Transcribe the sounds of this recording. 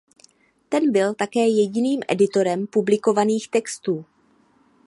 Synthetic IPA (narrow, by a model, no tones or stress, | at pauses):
t̪ɛnbɪlt̪akɛːjɛɟɪniːmʔɛ̰dɪt̪o̞ɾɛmpublɪko̞vaniːxt̪ɛkst̪uː